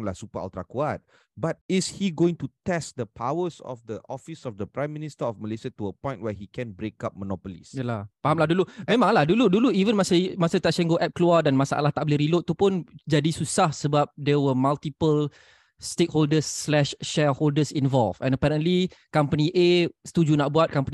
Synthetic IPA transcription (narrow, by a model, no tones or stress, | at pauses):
lahsupaa̰lt̪ɾakuat̚ | bat̚ishiɡoĩŋtutɛstd̪əpʰawəsɔ̰fdəʔɔfisɔfd̪əpɹɾãj̃mːĩnistəɔfməlesiatuəpɔ̃jntwɛhikɛ̃nbɾekap̚mənɔpəlḭsjəlapaɦamlaɦdulumẽmãŋlahduluduluivə̃nmãsəmasət̪at͡ʃɛ̃ŋɡoʔɛp̚kluadanmasaʔa̰laht̪aʔbəliɾilot̪t̪ːupʊnd͡ʒadisusahsəbap̚dɛwəmalt̪ipəl | stekholdəsːlɛʃʃɛholdəsĩnvɔlfɛ̰̃nəpɛɾə̃nlikampəniʔest̪ud͡ʒunaʔbuat̪̚kampəni